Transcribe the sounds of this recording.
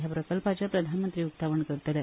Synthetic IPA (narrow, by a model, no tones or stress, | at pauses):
japɾəkəlpat͡ɕjapɾəd̪ʱanmənt̪ɾiːukt̪aʋəɳkəɾt̪ale